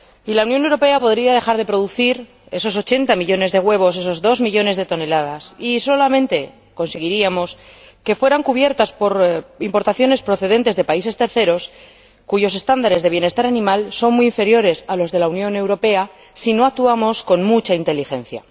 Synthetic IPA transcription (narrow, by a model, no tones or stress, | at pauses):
ilaunjonewɾo̞pe̞apo̞ðɾiað̞e̞xaɾð̞e̞pɾo̞ðuθiɾ | e̞so̞so̞t͡ʃe̞nt̪amiʎo̞ne̞zðe̞ɣwe̞β̞o̞s̬e̞so̞zðo̞zmiʎo̞ne̞zðe̞t̪o̞ne̞lað̞asiso̞lamẽnt̪e̞ | ko̞nse̞ɣ̞iɾiamo̞s | ke̞fwe̞ɾaŋkuβje̞ɾt̪aspo̞ɾimpo̞ɾt̪aθjo̞ne̞spɾo̞θe̞ðe̞nt̪e̞zðe̞paise̞st̪e̞ɾθe̞ɾo̞s | kuʝo̞se̞st̪and̪aɾe̞zðe̞β̞je̞ne̞st̪aɾanĩmalso̞nmujiɱfe̞ɾjo̞ɾe̞salo̞zðe̞launjõ̞ne̞wɾo̞pe̞a | sino̞ak̚t̪uamo̞sko̞nmut͡ʃaint̪e̞lixẽ̞n̟θja̰